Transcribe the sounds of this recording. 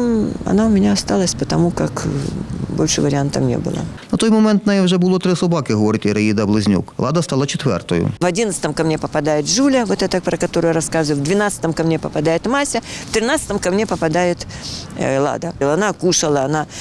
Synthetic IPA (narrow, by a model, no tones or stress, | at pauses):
ɐ̰naʊmʲɪnʲaɐst̪ɑlˠəsʲpət̪ɐmukak | bo̰lʲʂɨvəɾʲɪant̪əfnʲḛbɨ̰lˠə̰nɐt̪ojmɔmɛnt̪nɐjɛwʐɛbʊlˠɔt̪ɾɪsɐbɑkɪɦɔʋɔɾʲɪt̪ʲiɾɐid̪ɐblˠɪzʲnʲṵklˠɑd̪ɐst̪ɑlˠɐt͡ʃɪt̪ʋɛ̰rt̪ɔjʊ̰vɐdʲinət̪st̪əmkɐmnʲepəpɐd̪ajɪt̪ʐulʲəvot̪ɛt̪əpɾəkɐt̪o̞ɾʊjaɾɐskazʊvjʊvd̪vʲɪnat̪sə̥t̪əmkɐmnʲepəpɐd̪ajɪt̪masʲɐft̪ɾʲɪnat̪sə̥t̪əmkɐmnʲepəpɐd̪ajɪt̪ | lˠa̰d̪ɐlˠɐnakuʂɐlˠɐɐna